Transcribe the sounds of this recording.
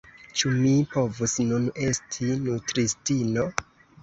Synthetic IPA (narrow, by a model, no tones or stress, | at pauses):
t͡ʃumipo̞vusnune̞stʰinutɾistino̞